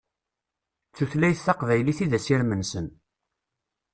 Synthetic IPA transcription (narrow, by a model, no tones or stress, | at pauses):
θuθlæjθːɑqvæjliθiðæsiɾmənsən